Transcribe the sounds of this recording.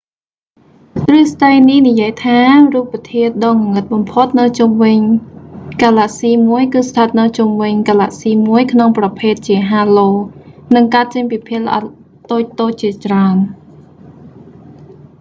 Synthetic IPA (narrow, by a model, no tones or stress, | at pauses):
t̪rɨəsɗ̪əjnihnijiəjt̪ʰaːruːpːət̪ʰiət̪̚ɗɑːŋkuŋɨt̪̚ɓɑmpʰot̪̚nɨwt͡ɕumʋɨɲ | kaːlaʔsiːmuəjkɨːst̪ʰət̪̚nɨwt͡ɕumʋɨɲkaːla̰ːʔsiːmuəjkʰnoŋprɑpʰeːt̪̚t͡ɕiəɦaːloːnɨŋkaət̪̚t͡ɕəɲpipʰiəlʔɑ̰ | t̪oːc̚t̪oːc̚t͡ɕiət͡ɕraən